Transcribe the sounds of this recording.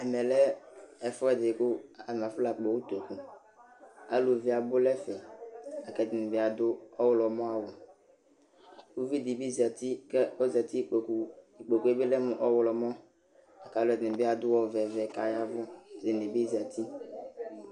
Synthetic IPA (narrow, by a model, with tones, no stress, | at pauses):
ɛ˨mɛ˨lɛ˦ɛ˨fɔ˦ɛ˨d̪ɪ˨kʊ˦a˨m˨ã˨fla˨k͡pɔ˨wu˦t̪o˨ku˦ | a˨lu˨vi˦a˨bʊ˦lɛ˦fɛ˨a˨kɛ˨d̪ɪ˨nɪ˨bɪ˦a˨d̪ʊ˦ɔ˦wlɔ˨mɔ̃˦a˨wʊ˨ | wu˦vi˦d̪i˨bi˦zi˨a˨t̪i˦kɛ˦ɔ˦za˨t̪i˦˨i˨k͡po˨ku˨˦e˦be˦lɛ˦mʊ˨ʔɔ˦wlɔ˨mɔ̃˦ | a˨ka˨lʊ˦ɛ˨d̪be˦a˨d̪ʊ˦wɔ˦vɛ˨vɛ˨ka˨ja˦vʊ˦˨zɪ˨ne˨bi˦zi˨a˨t̪ʰi˦